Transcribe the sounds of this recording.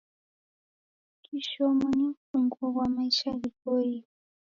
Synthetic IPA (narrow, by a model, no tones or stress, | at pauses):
kʰiʃɔmɔnimfuŋɡɔβwamaiʃaβikoi